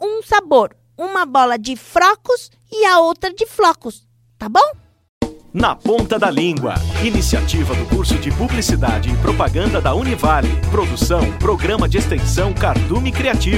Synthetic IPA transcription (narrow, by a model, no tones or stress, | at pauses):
ũsaboɾ | ũmɐbɔlɐd͡ʒɪfɾɔkʊs | ɪɐowt̪ɾɐd͡ʒɪflɔkʊs | t̪abõw̃ | nɐpõnt̪ɐd̪ɐlĩŋɡwɐ̰inisia̰t͡ʃivɐd̪ʊkuɾsʊd͡ʒɪpublisid̪ad͡ʒɪːpɾopaɡɐ̃nd̪ɐd̪ɐunivalɪ̰pɾod̪usɐ̃w̃pɾoɡɾɐ̃mɐd͡ʒɪest̪ẽsɐ̃w̃kaɾt̪ũmikɾiat͡ʃiv